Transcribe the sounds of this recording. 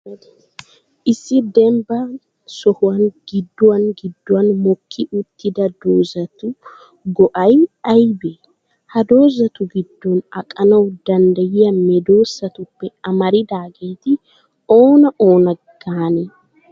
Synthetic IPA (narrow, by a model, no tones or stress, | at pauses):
ʔɪsːɪd̪ɛmbɐ | sɔhʊwɐnɡ̥ɪd̪ːʊwɐnɡɪd̪ːʊwɐnmɔkʰːɪʔʊt̪ːɪd̪ɐd̪oːzɐt̪ʊ | ɡɔʔɐjɐjbɛ | hɐd̪o̞ːzɐt̪ʊɡɪd̪ːɔnɐkʼɐnɐwd̪ɐnd̪ɐjɪjɐmɛd̪oːsːɐt̪ʊpːɛɐmɐɾɪd̪aːɡe̞ːt̪ɪ | oːnɐʔoːnɐɡ̥aːnɛ